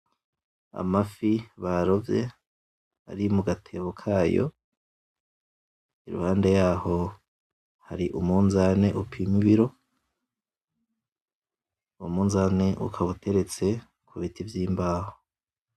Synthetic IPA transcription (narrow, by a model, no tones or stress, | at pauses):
a̰mafiβaɾo̞vje̞ | a̰ɾimuɡatʰeβokʰaːjo̰ | iɾṵhaːnde̞jaːho̞ | haɾiʔṵmuːnzane̞ʔupʰimiβiɾo̞ | umuːnzane̞ʔṵkʰaβutʰe̞ɾe̞t͡se̞ | kʰuβitivjiːmbaːho